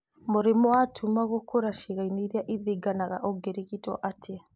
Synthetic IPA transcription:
moɾimɔatʰumaɣokʰoɾaʃiɣainiɾiaʔiðiɡanaɣa̰ʔɔɡeɾikitɔ̰ʔatʰe

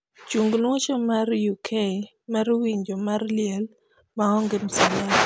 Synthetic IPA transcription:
t͡ʃuŋɡnot͡ʃɔmarjukʰe | maɾwiɲd͡ʒomarlɪɛl | maɔŋɡɪmsɪna

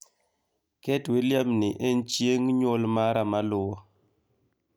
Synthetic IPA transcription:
kɛtweljamnɪʔɛnt͡ʃjeŋɲwɔlmaɾamalʊwɔ

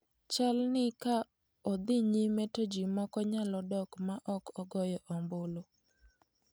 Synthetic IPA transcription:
t͡ʃalnɪka | ɔd̪ɪɲimetod͡ʒimɔkɔɲalɔdɔkmaʔɔkɔɡɔjɛʔɔmbolo

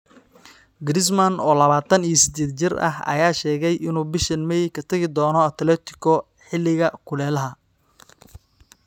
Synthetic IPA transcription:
ɡɾɪs̬mɐnɔːlɐβaːt̪ʰɐnijɔsɪd̪eːd̪t͡ʃɪrɐ̰ɦɐ̰jaːʃɛːɣɛjʔɪnuːbɪʃɐnmɛjkʰɐt̪ʰɐɣɪd̪ɔːnɔɐt̪ʰlɛːt̪ʰɪ̥kʰɔ | ħɪlːɪɣɐkʰʊlɛːlɐɦɐ

